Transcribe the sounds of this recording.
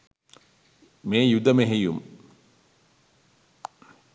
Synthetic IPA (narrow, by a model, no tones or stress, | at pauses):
meːjud̪əmeɦejṵm